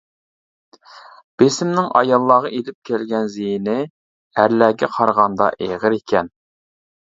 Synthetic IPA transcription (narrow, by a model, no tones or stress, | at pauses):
b̥esɪmnɪŋʔɑ̰jɑlˠːɑːʁɑʔed̪ɪp̚kʲʰælɡʲɛnzejinɪ | æɾlæːɡʲɛqʰɑɾʁɑnd̪ɑ̰ʔeʁəɾekʲʰɛn